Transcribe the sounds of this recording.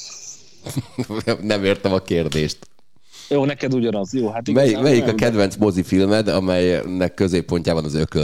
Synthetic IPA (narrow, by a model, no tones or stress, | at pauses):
nɛmeːrt̪ɛmɒkeːrd̪eːʃt̪ | joːnɛkɛd̪uɟɒnɒzjoːɦat̪mɛjimɛjikɒkɛd̪ʋɛnsmo̞zifilmɛd̪ɒmɛjnɛkːø̞zeːpːo̞ɲcaːbɒnɒzøkø